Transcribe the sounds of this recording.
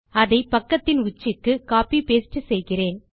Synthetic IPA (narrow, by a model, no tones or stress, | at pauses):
ɐðɐɪpɐkːɐt̪ːɪnʊt͡ʃːɪkːɯkaːpipeːsʈːɯsɛjɣɪreːn